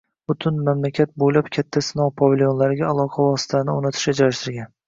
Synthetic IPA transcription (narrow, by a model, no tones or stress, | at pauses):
b̥ʊt̪ʰʊnmamlakʲʰat̪̚bolapkʲʰat̪ʰːasɪnɒwpʰɒvʲɪljo̞nlaɾɪɡʲaːlˠɒqʰɑvɒsɪ̥t̪ʰasnɪonɪt̪ʰɪ̥ʃad͡ʒaɾaʃt̪ɪɾɡʲan